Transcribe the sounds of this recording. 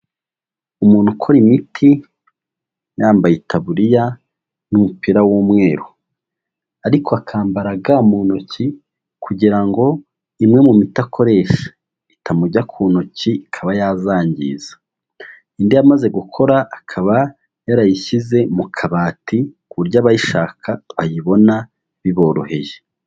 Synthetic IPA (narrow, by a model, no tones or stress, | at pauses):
umuːn̥ukʰo̞ɾimitʰi | jaːmbajitʰaβuɾija | numupiɾawuːmŋe̞ːɾo | aɾikʰoakʰaːmbaɾaɡamunoci | kʰuɟiɾaŋɡo̞ | imŋe̞mumitakʰo̞ɾe̞ʃḁ | itʰamuɟakʰuːnociikʰaβajazaːɲɟḭːz̥ḁ | indiamaze̞ɡukʰo̞ɾaʔːkʰaβa | jaɾajiçize̞mukʰaβaːtikuβuɾɟaːβajiʃaːkʰaβajiβo̞na | βiβo̞ːɾo̞̰he̞̰je